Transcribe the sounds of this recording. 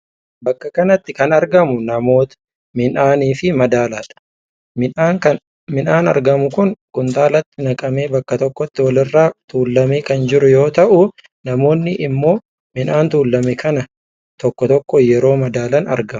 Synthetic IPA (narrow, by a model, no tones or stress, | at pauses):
bɐkːɐkɐnɐt̪ːɪkɐnɐɾɡɐmʊnɐmo̞ːt̪ɐ̥ | mɪnaːniːfɪmɐd̪aːlaːᶑɐ̥ | aːkɐ | mɪnaːnɐ̰ɾɡɐmʊkʊnkʊnt̪aːlɐt̪ːɪnɐkʼɐme̞ːbɐkːɐt̪ɔkːɔt̪ːɪwɐlɪrːaːt̪uːlːɐmeːkɐnd͡ʒɪɾʊjo̞ːt̪ɐʔʊ | nɐmo̞ːnːɪʔɪmːo̞ː | mɪnaːnt̪uːlːɐmɛkʰɐnɐ | t̪ɔkːɔt̪ɔkːɔjɛɾo̞ːmɐd̪aːlɐnɐ̰ɾɡɐmʊ̥